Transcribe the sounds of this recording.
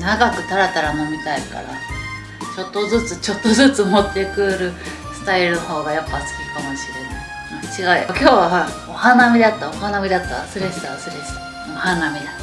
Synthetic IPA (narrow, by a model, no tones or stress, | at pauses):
naɡakɯ̟t̪aɾat̪aɾamomʲit̪aika̰ɾa̰ | t͡ɕo̞t̪ːo̞zɨt͡sɨt͡ɕo̞t̪ːo̞zɨt͡sɨmo̞t̪ːe̞kɯ̟ɾɯ̟ | sɨ̥t̪aiɾɯ̟noho̞ːɡajapːat͡sɨ̥kʲikamo̞ɕiɾe̞na̰ĩ | t͡ɕiɡaiakʲo̞ːβaa | ohanamʲid̪at̪ːaohanamʲid̪at̪ːa̰sɨɾeɕi̥t̪asɨɾeɕi̥t̪ḁ | ohanamʲid̪a